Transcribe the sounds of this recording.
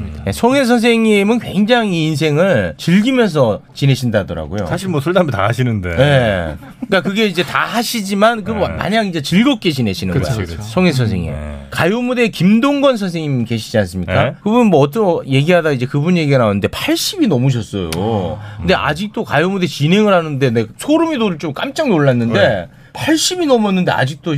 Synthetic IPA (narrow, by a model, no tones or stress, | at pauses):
jesʰʌŋe̞s̬ʰʌns̬ʰe̞ŋimɯnkwe̞ŋd͡ʑaŋiːns̬ʰe̞ŋɯɭt͡ɕɯɭɡimjʌns̬ʰʌt͡ɕine̞ɕʰindadʌɾa̰ɡojo̰sʰaɕʰiɭmwʌsʰoɭdamita̰ɦaɕʰinɯndḛje̞ | k͈akɯɡe̞id͡ʑe̞taɦaɕʰid͡ʑimank̬ɯma̰ɲaŋid͡ʑe̞t͡ɕiɭɡʌp̚k͈e̞t͡ɕine̞ɕʰinɯnɯɡɡ̰sʰʌŋe̞s̬ʰʌnsʰe̞̰ŋḭkajomude̞kimdoŋɡʌnsʰʌnsʰeŋɲimke̞ɕʰid͡ʑians͈ɯmɲik͈akɯbumʌʌt̬͈ʌje̞ɡiɦadaid͡ʑe̞kɯbunje̞ɡiɡanaonɯnde̞pʰaɭɕ͈ibinʌmuɕ̬ʰʌs͈ʌ̰jo̰kɯɯnde̞ʔa̰d͡ʑik̚t͈okajomudet͡ɕine̞ŋɯɾɦanɯnde̞nesʰoɾɯmidoɾɯɭt͡ɕomk͈a̰mt͡ɕ͈aŋnoɭːanːɯnde̞ | pʰaɭɕ͈ibinʌmuʌnːɯnde̞a̰d͡ʑik̚t͈o